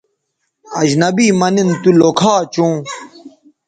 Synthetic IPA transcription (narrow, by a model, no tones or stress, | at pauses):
ɐd͡ʑnɐbiːmɐnint̪ulokʰaːt͡ɕõː